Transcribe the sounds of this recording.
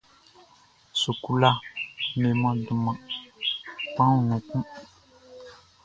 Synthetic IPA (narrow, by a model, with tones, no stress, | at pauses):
su˨ku˦la˦me˨mã˦du˨mã˨ | pã˦ũ˨nũ˨kũ˦